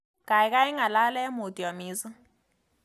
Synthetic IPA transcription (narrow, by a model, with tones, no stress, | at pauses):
kʼa˨ɪ˦kʼa˦i˦ŋa˨la˦lɛ˦mo˨tʼi˨wa˨miː˦sɔ˦